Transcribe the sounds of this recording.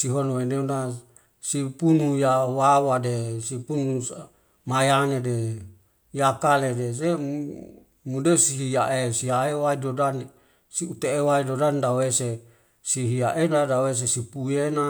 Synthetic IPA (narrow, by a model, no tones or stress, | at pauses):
siɦonoeneuna | sipunujawawadesipunus | majanede | jakaledese | mudesiɦijaʔesiaewaidodan | siut̪eewaidodandawese | siɦiaʔenadawes̬esipuena